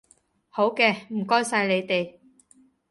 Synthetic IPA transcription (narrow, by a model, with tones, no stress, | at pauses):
ho˨˥wkɛː˧m̩˨˩kɔː˥jsɐ˧jle˨˧jt̪e˨j